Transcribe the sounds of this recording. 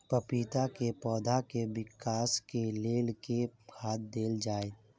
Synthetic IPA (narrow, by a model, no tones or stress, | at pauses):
pəpiːt̪akepɔːd̪ʱakewɪkaːskeleːlkekʰaːt̪̚d̪eːld͡ʒaːet̪